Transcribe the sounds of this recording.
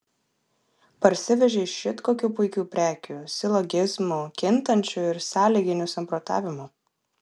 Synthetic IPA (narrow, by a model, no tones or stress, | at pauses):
pɐɾʲsʲɪʋʲɛʒʲeɪʃʲɪt̪koːkʲuːpʊɪkʲuːpʲɾʲæːkʲuːsʲɪlˠɔɡʲɪzmukʲɪnt̪ɐnʲt͡ʃʲuːɪɾsɑːlʲiːɡʲɪnʲʊsɐmpɾɔt̪ɑ̰ːʋʲɪmʊ